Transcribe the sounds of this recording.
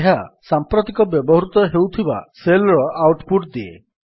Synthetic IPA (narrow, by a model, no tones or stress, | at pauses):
ɦasampɾɔt̪ikɔbjɔbɔɦɾut̪ɔɦewt̪ʰiba̰selɔɾɔʔawʈpuʈd̪iḛ